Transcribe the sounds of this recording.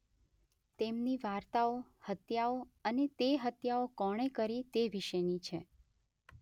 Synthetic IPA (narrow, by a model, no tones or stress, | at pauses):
t̪emniʋaɾt̪aohət̪jaoənet̪eɦət̪jaokɔɽ̃ekəɾit̪eʋiʃəjnit͡ʃʰe